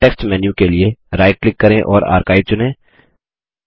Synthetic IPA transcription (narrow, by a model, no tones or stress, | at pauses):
ɛːksʈmɛːnjũkelieɾaːɪʈ̚klɪkːɐɾẽʔɔːɾa̰ːɾkaːɪb̚t͡ʃʊnẽː